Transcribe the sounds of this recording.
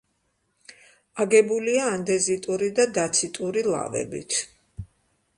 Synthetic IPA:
aɡɛbuliaːnd̪ɛzit̪ʼuɾid̪ad̪at̪sʰit̪ʼuɾilˠa̰vɛ̰bḭt̪ʰ

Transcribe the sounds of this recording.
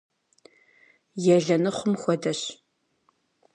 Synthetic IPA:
jɛɮɐnɨχʷʊmxʷɔdɐɕ

